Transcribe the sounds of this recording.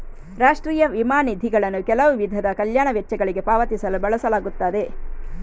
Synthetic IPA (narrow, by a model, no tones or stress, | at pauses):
ɾaːʂʈɾiːjɐʋimaːnid̪ʱiɡɐɭɐnːukɛlɐʋuʋid̪ʱɐd̪ɐkɐljaːɳɐʋɛt͡ʃːɐɡɐɭiɡe̞paːʋɐt̪isɐlubɐɭɐsɐlaːɡut̪ːaːd̪e̞